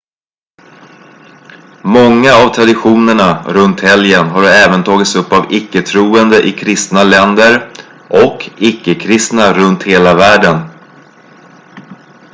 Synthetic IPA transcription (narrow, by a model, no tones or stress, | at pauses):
mɔŋːaːvt̪ʰɾad̪ɪɧuːnəɳaɾɵnt̪hɛljənɦaɾɛːvənt̪ʰɑːɡɪt̪sɵpːavɪkːət̪ʰɾuːənd̪əʔɪkʰɾɪst̪nalɛnd̪əɾ | ʔɔkɪkːəkʰɾɪst̪naɾɵnt̪heːlavæːɖən